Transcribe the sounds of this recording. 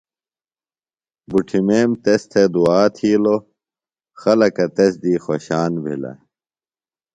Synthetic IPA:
buʈʰimeːmt̪est̪ʰed̪uaːt̪ʰiːlo | xɐlɐkɐt̪esd̪iːxoɕaːnbʱḭlɐ̰

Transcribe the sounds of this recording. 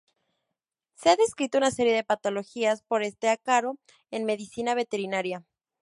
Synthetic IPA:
se̞aðe̞skɾit̪o̞unase̞ɾje̞ðe̞pat̪o̞lo̞xiaspo̞ɾe̞st̪e̞akaɾo̞ | e̞nme̞ðisinaβ̞e̞t̪e̞ɾinaɾja

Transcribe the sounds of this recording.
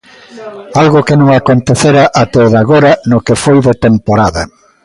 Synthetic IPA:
alɣʊkenõŋakont̪eθeɾaʔat̪oðaɣoɾɐnʊkefojðet̪empoɾaðɐ

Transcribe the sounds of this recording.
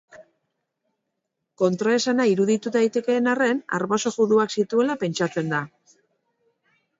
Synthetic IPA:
ko̞nt̪ɾoesanaiɾuðit̪ut̪ajt̪e̞ke̞ːnare̞na̰ɾβaso̞ɣuðuaksit̪ue̞lape̞nt͡ʃat͡se̞nd̪a

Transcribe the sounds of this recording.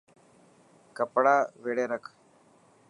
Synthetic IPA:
kəpɽaːʋeːɽeːɾəkʰ

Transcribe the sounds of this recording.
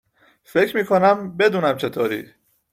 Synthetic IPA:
fe̞cʰɾmiːkʰonæmbe̞d̪uːnæmt͡ʃʰe̞t̪ʰoːɾḭː

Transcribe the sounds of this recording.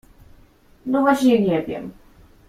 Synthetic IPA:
nɔvaɕɲɛɲɛvʲjɛ̰m

